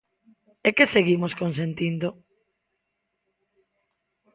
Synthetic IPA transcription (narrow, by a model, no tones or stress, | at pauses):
ekeseɣimoskõns̬ent̪ind̪o